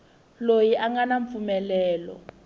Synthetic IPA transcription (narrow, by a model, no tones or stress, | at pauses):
lojiʔaŋɡanaɱfumɛlɛːlɔ̰